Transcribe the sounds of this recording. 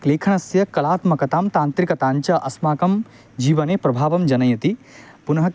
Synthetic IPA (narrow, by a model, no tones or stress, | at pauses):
kleːkʰɐɳ̃ɐsjɐkɐlaːt̪mɐkɐt̪aːmt̪aːnt̪ɾikɐt̪aːɲt͡ʃɐʔɐsmaːkɐm | d͡ʒiːʋɐneːpɾɐbʱaːʋɐmd͡ʒɐnɐjɐt̪i | punɐɦɐ